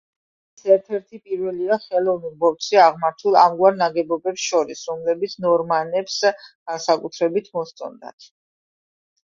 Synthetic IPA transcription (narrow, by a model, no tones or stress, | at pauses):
sɛɾt̪ʰɛɾt̪ʰipʼiɾvɛliaχɛlˠɔvnilˠbɔft̪sʰiaʁmaɾt̪ʰulˠamɡwaɾnaɡɛbɔbɛpsʃɔɾisɾɔmlɛbit̪sʰnɔɾmanɛpsɡ̥ansakʼut̪ʰɾɛbit̪ʰmɔst̪sʼɔ̰nd̪a̰t̪ʰ